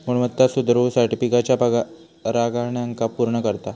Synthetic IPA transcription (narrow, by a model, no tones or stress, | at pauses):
muɳmət̪ːasud̪ɾusəɾʈifikat͡ɕjapaɡa | ɾaɡaɳjaŋkapuɾɳəkəɾt̪a